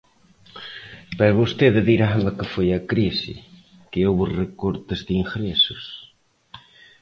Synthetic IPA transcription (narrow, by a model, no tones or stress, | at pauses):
peɾβost̪eðeðiɾaβɐkɪfojakɾisɪ̰ | keowβʊrekoɾt̪ɪzðiŋxɾesʊs